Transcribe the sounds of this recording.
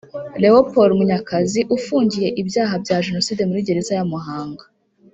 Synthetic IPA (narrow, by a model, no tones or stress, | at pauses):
le̞opoɾmuɲakaziʔufuːɲɟije̞ʔibjaːɦabjaːʒe̞no̞siːde̞muɾiɟe̞ɾe̞zajamuɦaːŋɡa